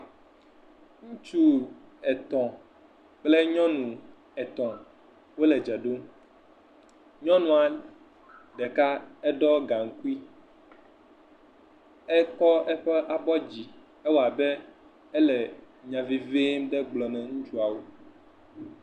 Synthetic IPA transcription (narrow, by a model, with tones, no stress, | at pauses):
ŋũ˦t͡ʃu˦ | ɛ˨t̪ɔ̃˨ | k͡plɛ˦ɲɔ̃˦nũ˨ | ɛ˨t̪ɔ̃˨ | wo˦lɛ˨d͡ʒɛ˨ɖo˦m | ɲɔ̃˦nũ˨a˨ | ɖɛ˨ka˦ɛ˦ɖɔ˦ɡã˨ŋ̩˨ku˦i˦ | ɛ˦kɔ˦ɛ˦ɸɛ˦ʔa˨bɔ˦d͡ʑi˨ | ɛ˦wo˦˨a˨bɛ˦ | ɛ˦lɛ˨ | ɲã˨vi˨ve˦m˦ɖɛ˦ɡ͡blɔ˨nɛ̃˨ŋũ˦t͡ʃu˦a˨wo˦